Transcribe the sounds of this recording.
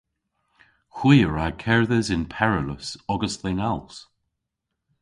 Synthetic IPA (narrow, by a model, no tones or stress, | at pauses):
xwiːəɹakʰɛɹðəzɪnpʰɛɹələsɔɡəsðenalˠs